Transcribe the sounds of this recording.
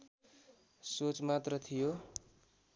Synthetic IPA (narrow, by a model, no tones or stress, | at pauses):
sot͡smat̪rʌt̪ʰijo